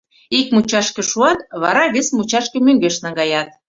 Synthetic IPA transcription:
ik̚mut͡ɕɑʃkə̆ʃuɑt̪βɑɾɑβesmut͡ɕɑʃkə̆møŋɡeʃnɑŋɡɑjɑt̪̚

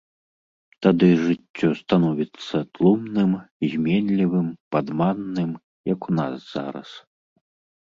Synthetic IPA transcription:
t̪ad̪ɨʐɨt͡sʲːɔst̪anɔvʲit̪sːɐt̪lˠumnɨmzʲmʲenʲlʲivɨmpad̪manːɨm | jɐkuna̰zz̥a̰ɾɐ̰s

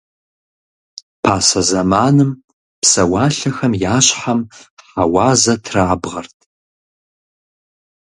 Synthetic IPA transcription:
pʰaːsɐzɐmaːnɨm | psɐwaːɬɐxɐmjaːɕħamħawaːzɐtʰraːbʁɐrtʰʼ

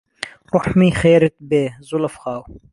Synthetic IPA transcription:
ɾˤʊħmiːxeːɾɪt̪̚beːzʊlfxaːw

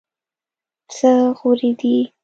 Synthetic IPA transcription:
t͡səɣuɾid̪i

